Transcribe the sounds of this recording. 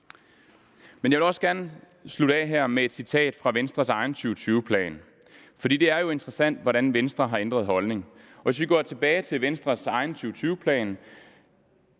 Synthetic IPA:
menjɑ̈ʋe̝ɒ̽sɡ̥æɐnə | sluɾɛ̰ːɦæɐ̰mee̝d̥sit͡sʰɛ̰ːd̥fʁɑ̈ʋensd̥ʁɐsɑ̈ɪn̩t͡sʰyːʊt͡sʰyːʊpʰlɛ̰ːn | fɒ̽d̥ḭːd̥e̝æɐjo̝e̝nd̥ʁɐsæn̰d̥ʋɒɾænʋensd̥ʁɐɦɑ̈end̥ʁɐð̞̩ˠhɒ̽lne̝ŋɒ̽ʋe̝s̬ʋiɡ̥ɒ̰ːt͡sʰe̝b̥ɛːɪt͡sʰe̝lʋensd̥ʁɐsɑ̈ɪn̩t͡sʰyːʊt͡sʰyːʊəpʰlɛ̰ːn

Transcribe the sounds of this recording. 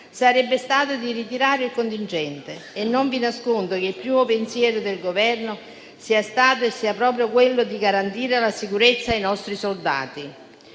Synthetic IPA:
saɾɛbːest̪aːt̪ʊd̪irit̪iɾaːɾɪilkont̪int͡ʃɛnt̪eːnːoɱvinaskond̪okeilpɾiːmopensjɛːɾʊd̪elɡovɛrnʊ | siːast̪aːt̪̬oesːiːapɾɔːpɾjokwelːʊd̪iɡaɾant̪iːɾelasikuɾet̪sːaːjnɔst̪ɾisold̪a̰ːt̪i

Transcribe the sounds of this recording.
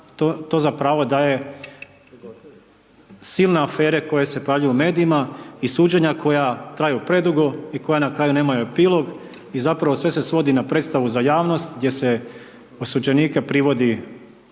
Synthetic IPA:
t̪ot̪o̞zapɾaːʋod̪aje̞ | silˠneafe̞ːɾe̞ko̞je̞se̞pojaːʋʎujumeːd̪iimaisuːd͡ʑeɲako̞jat̪ɾaːjupɾe̞d̪uɡoiko̞janakɾaːjune̞ːmajuepiːlo̞ɡ | izapɾaʋo̞sʋe̞se̞sʋo̞d̪inapɾet̪st̪aʋuzajaːʋno̞st̪ɡd̪ʲje̞se | osud͡ʑe̞niːkepɾiʋo̞d̪i

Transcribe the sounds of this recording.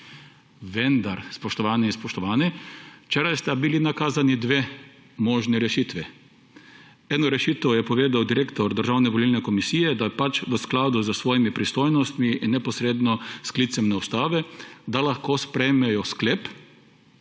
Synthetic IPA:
ʋɛnd̪aɾspɔʃt̪ɔʋaːnɛinspɔʃt̪ɔʋaːnɛt͡ʃɛɾajst̪ɛbilinakaːzanid̪ʋeː | mɔːʒniɾɛʃiːt̪ʋɛ | ɛːnɔɾɛʃiːt̪əwjɛpɔʋeːd̪awd̪iɾeːkt̪ɔɾd̪əɾʒaːwnɛʋɔlilnɛkɔmisiːjɛd̪apat͡ʃʋəsklaːd̪uzəsʋɔːjimipɾist̪oːjnɔst̪miinːɛpɔsɾeːd̪nɔsklit̪sɛmnɛwst̪aːʋɛd̪alaxkoːspɾɛjmɛjɔskleːp

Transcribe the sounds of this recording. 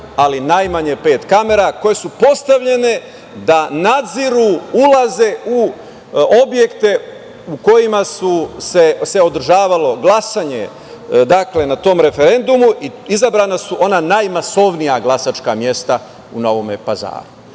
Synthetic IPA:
alinajmaɲepe̞ːt̪kame̞ɾako̞je̞supo̞st̪aʋʎe̞ne̞ | d̪anad̪ziɾuulaze̞u | o̞bje̞kt̪e̞ | uko̞jimasuse̞se̞o̞d̪r̩ʒaːʋalo̞ɡlˠasaɲe̞̰ | d̪akle̞nat̪o̞ːmɾe̞fe̞ɾe̞nd̪umuʔiizabɾaːnasuʔo̞nanajmaso̞ʋnijaɡlˠasat͡ʃkamje̞st̪a | uno̞ʋomepaza̰ːɾu

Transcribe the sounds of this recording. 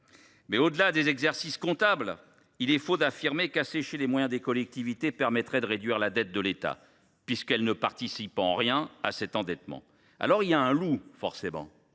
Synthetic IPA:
mɛod̪əlad̪ezɛɡzɛʁsiskɔ̃t̪abl | ilɛfod̪afiʁmekaseʃelemwajɛ̃d̪ekɔlɛk̚t̪ivit̪epɛʁmɛt̪χɛd̪əʁed̪ɥiʁlad̪ɛt̪̚d̪əlet̪a̰ | pɥiskɛlnəpaʁt̪isipɑ̃ʁjɛ̃a̰sɛt̪ɑ̃d̪ɛt̪mɑ̰̃ | a̰lɔʁiljaɛ̃lufɔʁsemɑ̰̃

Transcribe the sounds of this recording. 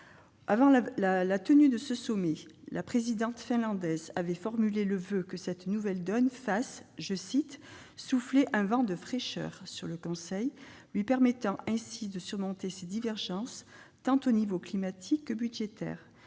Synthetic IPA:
avɑ̃llalat̪ənyd̪əsəsɔmelʔapχezid̪ɑ̃t̪fɛ̃lɑ̃d̪ɛzavɛfɔʁmyleləvøkəsɛt̪nuvɛld̪ɔnfasʒəsit̪ | sufleʔɛ̃vɑ̃d̪əfχeʃœ̰ʁsyʁləkɔ̃sɛjlɥipɛʁmɛt̪ɑ̃ʔɛ̃sid̪əsyʁmɔ̃t̪esed̪ivɛʁʒɑ̃st̪ɑ̃t̪onivoklimat̪ʰikːəbyd̪ʒet̪ɛ̰ːʁ

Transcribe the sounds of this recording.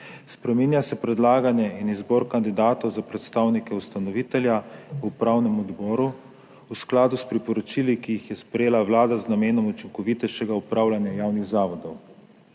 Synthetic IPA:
spɾɛminjasɛpɾɛd̪laːɡanjɛinizbɔɾkand̪id̪aːt̪ɔwzapɾɛt̪st̪awnikɛust̪anɔʋiːt̪ɛljaupɾawnɛmɔd̪bɔːɾu | usklaːd̪uspɾipɔɾɔt͡ʃilikijixjɛspɾɛjeːlaʋlaːd̪aznameːnɔmut͡ʃiŋkɔʋit̪ɛʃɛɡaupɾaːwlʲanjajawniɣzaːʋɔd̪ɔw

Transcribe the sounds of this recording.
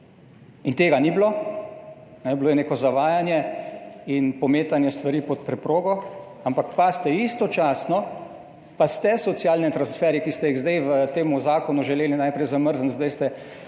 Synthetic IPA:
int̪eːɡanibloː | nɛbloːjɛneːkɔzaʋaːjanjɛ | inpɔmeːt̪anjɛst̪ʋaɾiːpɔt̪̚pɾɛpɾoːɡɔ | ampakpast̪ɛist̪ɔt͡ʃaːsnɔ | past̪ɛsɔt̪sjaːlnɛt̪ɾansfɛɾjɛkist̪ɛiɣzd̪ajʋət̪eːmuzaːkɔnuʒɛleːlinajpɾɛjzaməɾzənzd̪ajst̪ɛ

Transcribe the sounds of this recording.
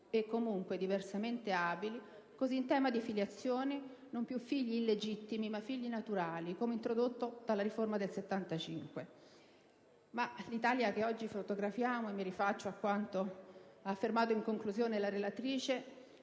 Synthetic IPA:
ekːomuŋkwed̪iversament̪eaːbili | koziːnt̪ɛːmad̪ifiljat̪sːjoːni | nompjufːiʎːiːled͡ʒit̪ːimimafːiʎːinat̪uɾaːlikoːmeint̪ɾod̪ot̪ːod̪̥alːaɾiformad̪elset̪ːant̪at͡ʃiŋkwe | malit̪aːljak̟eɔd͡ʒːifot̪oɡɾafjaːmoemːiɾifat͡ʃːoakːwant̪oaːfːermaːt̪oiŋkoŋkluzjoːnelaɾelat̪ɾiːt͡ʃe

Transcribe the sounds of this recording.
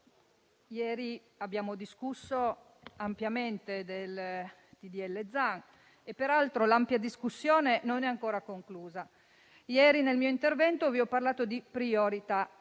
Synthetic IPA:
jɛːɾi | abjaːmod̪iskusːo | ampjament̪ed̪el | t̪id̪iɛlːed̪zaŋ | epːeɾalt̪ɾolampjad̪iskusːjoːnenonɛaŋkoːɾakoŋkluːza | jɛːɾinelmiːoint̪ervɛnt̪oviɔpːarlaːt̪od̪ipɾioɾit̪a

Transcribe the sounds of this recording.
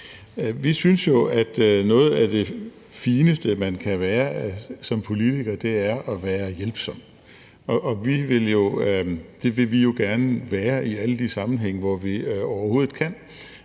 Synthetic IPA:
ʋisynsjo̝æd̥nɔ̽ːð̞̩ˠæd̥e̝ | fiːnəsd̥əmænkʰæʋæːɐsɒ̽mpʰo̝lit͡sʰiɡ̥ɐd̥e̝æɐʔɒʋæːɐjelb̥sɒ̽m̰̥ | ɒʔːʋiʋe̝ljo̝d̥e̝ʋe̝lʋijo̝ɡ̥æɐnəʋæːɐiæləd̥isɑ̈mn̩ɦeŋ̰əʋɒʋiɒʊɐho̝ːð̩ˠkʰæn̰

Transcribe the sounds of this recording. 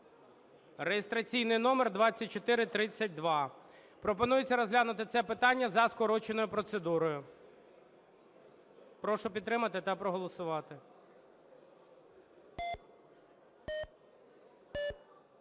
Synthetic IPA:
rejest̪ɾɐt͡sʲijnɪjn̪ɔmerd̪ʋɑt͡sʲːɐt̚ʲt͡ʃɔt̪ɪɾɪt̪ɾɪt͡sʲːɐt̚ʲd̪ʋɑ | pɾɔp̬ɔn̪ujet͡sʲːɐɾɔzɦlʲanʊt̪ɪt̪sɛpɪt̪ɑnʲːɐzɐskɔɾɔt͡ʃenɔjʊpɾɔt̪sed̪uɾɔjʊ | pɾɔʃʊpʲid̪t̪ːɾɪmɐt̪ɪt̪ɐpɾɔɦɔlˠɔsʊʋɑt̪ɪ

